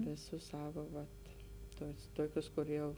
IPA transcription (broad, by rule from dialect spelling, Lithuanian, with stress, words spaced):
ʋʲɪˈsʊs ˈsɑːʋɐ ˈʋɐt ˈtʊs ˈtoːkʲʊs kʊr ˈjɛʊ